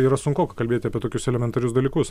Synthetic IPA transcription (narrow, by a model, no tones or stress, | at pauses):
iːɾɐsʊŋkoːkɐkɐlʲbʲeːt̪ʲɪɐpʲieɛt̪oːkʲʊsɛlʲɛmʲɛnt̪ɐɾʲʊsd̪ɐlʲiːkʊs